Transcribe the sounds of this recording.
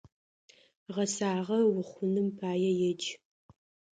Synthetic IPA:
ʁɐsaːʁɐwʊχʷʊnɨmpʰaːjɛjɛd͡ʒ

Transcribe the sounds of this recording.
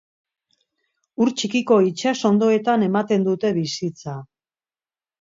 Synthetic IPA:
uɾt͡ʃikiko̞it͡ʃaso̞nd̪o̞e̞t̪ane̞mat̪e̞nd̪ut̪e̞βisit͡sa

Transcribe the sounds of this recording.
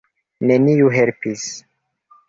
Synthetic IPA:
ne̞niuɦe̞lpis

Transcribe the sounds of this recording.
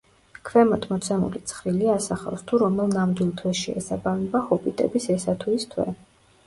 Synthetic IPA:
kʰvɛmɔt̪ʰmɔt̪sʰɛmṵlit̪sʰχɾiliasaχa̰fst̪ʰuɾɔmɛlˠnamd̪wilˠt̪ʰwɛsʃɛɛ̰sabavnɛbahɔpʼit̪ʼɛ̰bisɛsat̪ʰuist̪ʰwɛ̰

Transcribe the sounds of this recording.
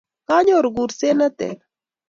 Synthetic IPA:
kaɲoɾɡuɾsenət̪ḛɾ

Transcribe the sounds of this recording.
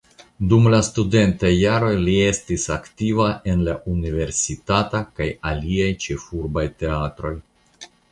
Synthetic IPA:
dumlastude̞ntajːaɾo̞jlie̞stisaktivaʔe̞nlaʔunive̞ɾsitatakajaliajt͡ʃe̞fuɾbajte̞atɾo̞j

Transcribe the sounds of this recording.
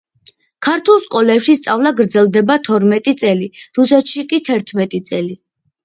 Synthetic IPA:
kʰaɾt̪ʰulˠskʼɔlɛpʃist̪sʼavlˠaɡɾd̪zɛlˠd̪ɛbat̪ʰɔɾmɛt̪ʼit̪sʼɛliɾusɛt̪ʃikʼit̪ʰɛɾt̪ʰmɛt̪ʼit̪sʼɛli

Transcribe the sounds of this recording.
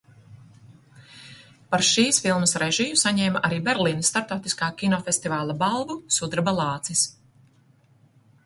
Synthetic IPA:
paɾʃiːsfilˠməsɾɛʒijusaɲɛːmaʔaɾiːbɛɾliːnst̪aɾp̚t̪awt̪iskaːkʲinɔfest̪ivaːlˠabalˠvusud̪ɾbalˠɑːt̪sis

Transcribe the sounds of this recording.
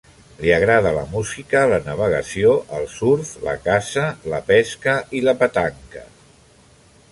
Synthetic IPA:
liəɣɾað̞ələ̰muzikələnəβ̞əɣəsioʔəlˠsuɾflə̰kasələpɛskəiləpət̪aŋkə

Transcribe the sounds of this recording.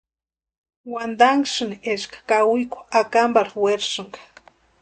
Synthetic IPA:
wand̪aŋʃɨneʃkḁkawʊjkʷʊakambaɾweɾʃɨŋɡḁ

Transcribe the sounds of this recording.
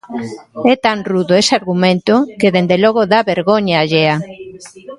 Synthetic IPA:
ɛt̪anruðoesɪaɾɣumẽnt̪ʊkeðend̪elɔɣoðaβeɾɣoɲaːʎea

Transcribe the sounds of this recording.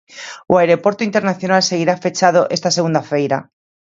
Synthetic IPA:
oaeɾopoɾt̪oint̪eɾnaθjonalseɣiɾafet͡ʃað̞oʔest̪aseɣund̪afejɾa̰

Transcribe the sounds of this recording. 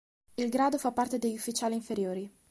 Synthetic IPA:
ilɡɾaːd̪ofapːart̪ed̪eʎːufːit͡ʃaːliɱfeɾjoːɾi

